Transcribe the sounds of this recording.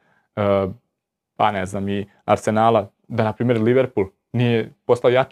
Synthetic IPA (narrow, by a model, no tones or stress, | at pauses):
ə | pa̰neznaːmi | a̰ɾse̞naːla | d̪anapɾiːme̞ɾliʋeɾpulˠ | nijepo̞saojat͡ʃ